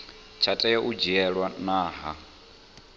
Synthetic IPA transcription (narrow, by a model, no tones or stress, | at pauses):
t͡ʃʰatʼɛjaʔud͡ʒiɛɺwanaːɦa